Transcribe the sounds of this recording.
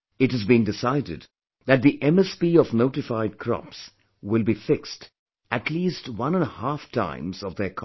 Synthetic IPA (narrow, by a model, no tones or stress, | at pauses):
ɨthɨzbĩndɪsaɪdɨ̰d̪̚ | ðɨt̪̚ðiʔɛ̃mɛspiɔvnoʊʈɨfaɪd̚kʰɹɔ̰ps | wɪlˠbifɪkst | ɨtʰliːstwʌ̃nə̃nhaftʰã̰ɪ̃mzʌvðəkʰ